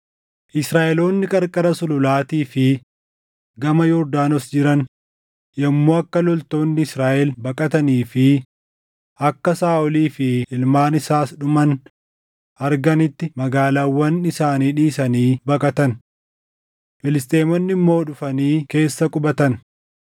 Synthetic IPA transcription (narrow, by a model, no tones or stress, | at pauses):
ʔɪsɾaːʔɛlo̞ːnːɪkʼɐɾkʼɐɾɐsʊlʊlaːt̪iːfɪ | ɡɐmɐjɔɾd̪aːnɔsd͡ʒɪɾɐn | jɐmːoːɐkːɐlɔlt̪o̞ːnːɪɪsɾaːʔɛlbɐkʼɐt̪ɐniːfɪ | ʔɐkːɐsaːʔʊliːfɪɪlmaːnɪsaːsɗʊmɐn | ʔɐɾɡɐnɪt̪ːɪmɐɡaːlaːwːɐnɪsaːniːᶑiːsɐniːbɐkʼɐt̪ɐn | fɪlɪst̪ʼe̞ːmɔnːɪmːo̞ːᶑʊfɐniːke̞ːsːɐkʼʊbɐt̪ɐn